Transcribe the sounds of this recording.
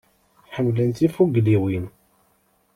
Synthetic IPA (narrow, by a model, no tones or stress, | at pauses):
ħəmːlənt̪ifuɡliwin